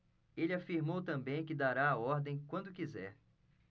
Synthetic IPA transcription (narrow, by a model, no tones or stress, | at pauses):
elɪafiɾmowt̪ɐ̃mbẽj̃kɪd̪aɾaːɔɾd̪ẽj̃kwɐ̃nd̪ʊkizɛɾ